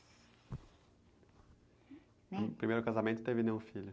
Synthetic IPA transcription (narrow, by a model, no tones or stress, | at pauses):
pɾimejɾʊkazamẽt̪ʊ̥t̪evɪnẽʊ̃fiʎʊ